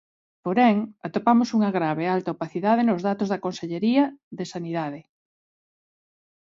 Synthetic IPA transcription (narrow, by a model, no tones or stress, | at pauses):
poɾɛŋat̪opamosuŋɐɣɾaβealt̪aopaθiðað̞enozðat̪ozðɐkonseʎeɾiɐðesaniðað̞ɪ